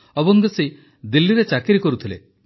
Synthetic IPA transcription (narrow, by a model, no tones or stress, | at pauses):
ebɔŋɡese | d̪ilːiɾet͡ʃakiɾikɔɾut̪ʰilḛ